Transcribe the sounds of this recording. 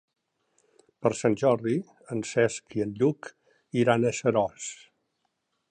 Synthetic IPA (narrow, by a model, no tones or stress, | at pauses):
pəɾsanʲʒɔɾði | ənsɛskiənʎuk | iɾanəsəɾɔs